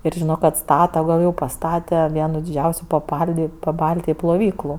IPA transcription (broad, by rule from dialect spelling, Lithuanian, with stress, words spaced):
ɪr ʒʲɪˈnoː kɐt ˈstɑːtɐ ɡɐlˠ jɛʊ pɐˈstɑːtʲɛ ˈʋʲiɛnʊ dʲɪˈd͡ʒʲɛʊsʲʊ pɐˈpɐlʲdʲɪ pɐˈbɐlʲtʲɪjɪ plˠoːˈʋʲiːklˠʊ